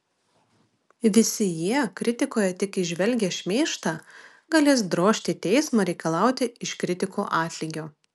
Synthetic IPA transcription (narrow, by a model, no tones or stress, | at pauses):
ʋʲɪsʲɪjiɛkɾʲɪt̪ʲɪkoːjɛt̪ʲɪkɪʒʲʋʲɛlʲɡʲɛːʃʲmʲeːʃt̪ɑː | ɡɐlʲeːsd̪ɾoːʃʲt̪ʲɪːt̪ʲɛɪsmɐɾʲɛɪkɐlˠɑˑʊt̪ʲɪɪʃkɾʲɪt̪ʲɪkoːʔɑːt̪ʲlʲiːɡʲoː